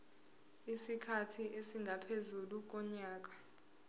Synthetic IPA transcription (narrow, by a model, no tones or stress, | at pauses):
isikʰatʰiʔesiŋɡʱapʰezuluk̬ɔɲaːk̬ḁ